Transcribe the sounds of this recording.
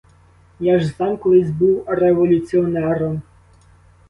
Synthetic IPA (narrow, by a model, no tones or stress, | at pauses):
jaʒzamkɔlˠɪzʲbuwreʋɔlʲut̪sʲiɔnɛɾɔm